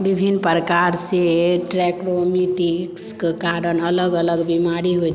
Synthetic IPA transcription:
bibʱinpɾəkaɾseʈɾɛkɾomiʈikskekaɾənələɡələɡbimaɾiɦo

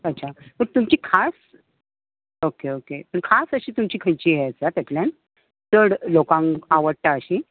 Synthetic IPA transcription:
ətːɕʰat̪əɾt̪umt͡ɕiːkʰas | okeokepəɳkʰasəɕiːt̪umt͡ɕiːkʰəjt͡ɕiːɦeət͡sat̪at̪ljan | t͡səɽlokãŋaʋəɽʈ̪aəɕi

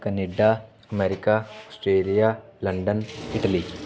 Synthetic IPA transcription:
kɐneɖa | ɐmeːɾikaosʈɾeːlijalɐɳɖɐniʈɐli

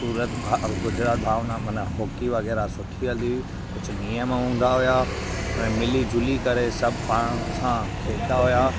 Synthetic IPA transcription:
suːɾət̪bʱaɡʊd͡ʑɾaːt̪̚bʱaːʋnamɐ̃nɦoːkiʋɐɣɛːɾasʊʈʰiɦəld̪i | kʊt͡ʃʰʊnijəmãɦũːn̆d̪aɦʊja | ɛ̃ːmɪlid͡ʑʊlikɐɾesɐbʱpaːɽ̃sãkʰeːd̪aɦʊjaː

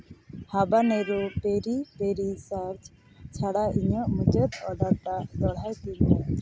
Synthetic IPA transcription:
habanɛɾɔpeɾipeɾisaɾd͡ʒ | t͡ʃʰaɽaʔiɲɔʔmud͡ʒəɾɔɖakʈad̪ɔɽ̤ajt̪in

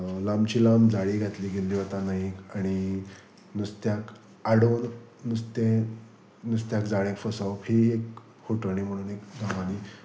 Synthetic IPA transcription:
lamt͡ɕiːlamd͡zaɽiːɡʱat̪liːɡelːiːʋət̪anaɦiaɽ̃i | nust̪jak | aɽonː | ust̪ẽ | nust̪jakd͡zaɭẽkfəsaphiek | hoʈəɳiːm̤əɽ̃uːnekɡãʋaniː

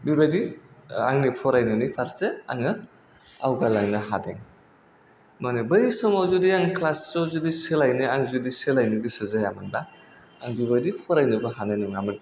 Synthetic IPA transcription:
bibajdia̰ŋnipʰɔɾajnɯnipʰaɾsea̰ŋɯ | a̰wɡalaŋnɐɦadḛŋ | manebɯisɔmawzudijaŋkʰlasːozudiselajnɯaŋzudiselajniɡisɯzajamɯndaː | ŋbibajdipʰɔɾajnɯbɐɦananiŋamɯn

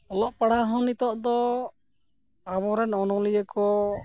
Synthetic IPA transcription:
ɔlɔʔpaɽaɦɔ̃nit̪ɔʔd̪ɔ | aβɔɾɛnɔnɔlijəkɔ

